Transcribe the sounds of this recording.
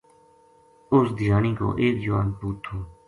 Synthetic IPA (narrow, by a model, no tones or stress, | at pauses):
ʊsd̪ʱɪjaːniːko̰ːʔeːkd͡ʒəʋaːnpuːt̪ʰːoː